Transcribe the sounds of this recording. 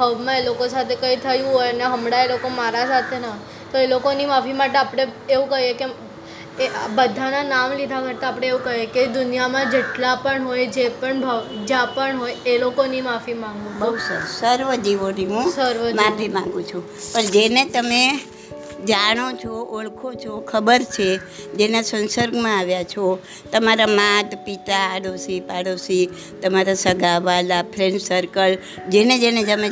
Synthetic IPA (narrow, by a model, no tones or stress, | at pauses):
bʱəʋmãelokosat̪ʰekəit̪ʰəjũɦojneɦəmɽaelokomaɾasat̪ʰenaɦ | t̪oelokonimafimaʈeapɽ̃e | eũkəɦeke | ebəd̪ʱananamlid̪ʱakəɾt̪aːpɽ̃eeʋũkəɦjeked̪ʊnjamãd͡ʒeʈlapəɳɦojd͡ʒepəɳbʱəʋd͡ʒãpəɳɦojelokonimafimãŋɡũbəɦusəɾsəɾʋəd͡ʒiʋoniɦũsəɾʋəmãpʰimãŋɡũt͡ʃʰũ | pəɳd͡ʒenet̪əme | d͡ʒaɽ̃ot͡ʃʰɔʔoɭkʰot͡ʃʰokʰəbəɾt͡ʃʰe | d͡ʒenasənsəɾɡmãaʋjat͡ʃʰɔ | t̪əmaɾamãt̪pit̪aːɽosipaɽosi | t̪əmaɾasəɡʱaʋalapʰɾeɳɖsəɾkəl | d͡ʒened͡ʒened͡ʒəmẽ